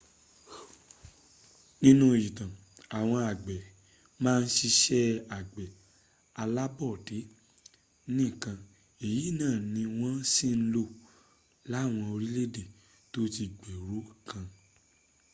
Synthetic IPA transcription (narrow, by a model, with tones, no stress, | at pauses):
nĩ˦nũ˦˨ji˨tã˨ | a˨w̃ɔ̃˧a˨ɡ͡bɛ˨ | mãː˦˧n̩˦ʃi˧ʃɛ˦a˨ɡ͡bɛ˨ | a˧la˦bɔ˦˨de˨˦ | nĩ˦˨kã˧ | e˨ji˨˦˨nãː˦˨nĩ˧w̃ɔ̃˦si˦˨n̩˦lo˧˨ | la˨˦˨w̃ɔ̃˧o˧ɾi˦le˦de˦˨ | to˦ti˧ɡ͡be˨ɾu˨˦kã˧